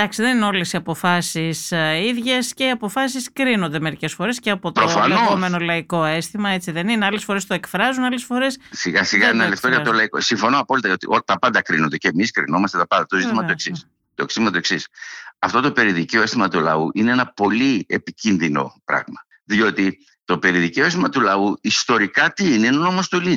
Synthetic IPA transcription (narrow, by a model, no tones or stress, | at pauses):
d̪ɐksiðe̞nineo̞le̞siɐpo̞fɐsisiðʝesce̞iɐpo̞fɐsiskɾino̞nd̪e̞me̞ɾice̞sfo̞ɾe̞sceɐpo̞t̪ɾofɐnoɣome̞nolɐiko̞e̞st̪imɐe̞t͡siðe̞nineɐle̞sfoɾe̞st̪oe̞kfɾɐzunɐle̞sfo̞ɾe̞ssiɣɐsiɣɐenɐleft̪oʝɐt̪olɐiko̰siɱfo̞noɐpolit̪ɐo̞t̪ḭot̪ɐpɐnd̪ɐkɾinond̪e̞ceːmiskɾḭno̞mɐst̪et̪ɐpɐnd̪ɐt̪o̞zit̪imɐoesis | t̪oeksit̪imɐt̪ue̞ksisɐft̪o̞t̪o̞pe̞ɾiðiceoe̞st̪imɐt̪ulɐ̰uʔineenɐpo̞liepicinðino̞̰pɾɐ̰ɣmɐ | ðio̞t̪i | t̪o̞pe̞ɾiðiceoes̬t̪imɐt̪ulɐuist̪o̞ɾikɐt̪iineenɐno̞most̪oli